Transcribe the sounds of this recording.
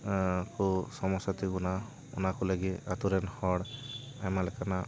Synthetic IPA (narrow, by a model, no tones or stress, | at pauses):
kɔsɔmɔsat̪iɡuna | ṵnakɔlaɡiat̪uɾɛnhɔɽ | amalɛkana